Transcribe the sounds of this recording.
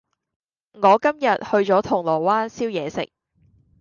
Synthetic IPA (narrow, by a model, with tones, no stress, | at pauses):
ŋɔː˨˧kɐ˥mjɐ˨t̚hɵ˧ɥt͡ʃɔː˨˥t̪ʰʊ˨˩ŋlɔː˨˩waː˥nsiː˥wjɛː˨˧sɪ̰˨k̚